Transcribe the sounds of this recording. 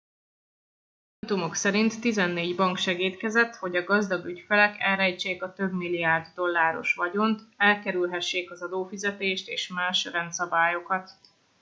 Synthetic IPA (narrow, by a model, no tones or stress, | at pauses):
t̪umo̞ksɛɾint̪ːizɛnːeːɟbɒŋkʃɛɡiːt̪kɛzɛt̪ho̞ɟɒɡɒzd̪ɒɡycfɛlɛkɛlɾɛjt͡ʃːeːkɒt̪ø̞bmilːiaːrd̪ːo̞lːaːɾo̞̰ʃʋɒɟo̞nt̪ɛlkɛɾylɦɛʃːeːkɒzɒd̪oːfizɛt̪eːʃt̪eːʃmaːʃrɛnt̪sɒbaːjo̞kɒt̪